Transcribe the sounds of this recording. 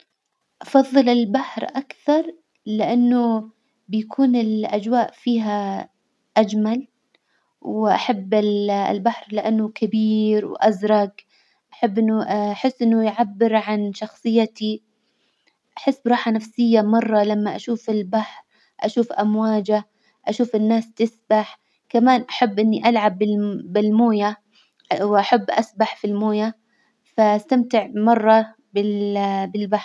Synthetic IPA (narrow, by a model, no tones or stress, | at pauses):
ʔɑfɑðˤːɨlɪlbaħɾʔakθɑɾˤ | lɪʔanːʊ | bɪjakʰuːnɪlʔad͡ʒwaːʔfiːɦa | ʔad͡ʒmal | wʔa̰ħabːɪɪ̰lbaħɾlɪʔanːʊkabiːɾwʔazɾˤɑɡ | ʔaħabːʔɪnːʊʔaħɪsːʔɪnːʊjʕabːɪɾʕanʃɑxsˤɨjːat̪i | ʔaħɪsːbɾˤɑːħanafsɪjːamɑrˤːɑlamːaʔaʃuːfɪlbaħɾ | ʔaʃuːfʔamwaːd͡ʒa | ʔaʃuːfɪnːaːst̪ɪsbaħ | kamaːnʔaħabːʔɪnːiʔalʕabɪbɪlmoːja | wʔaħabːʔasbaħfilmoːja | faʔast̪amt̪ɪʕmɑrˤːɑ | bɪbɪlbaħɾˤ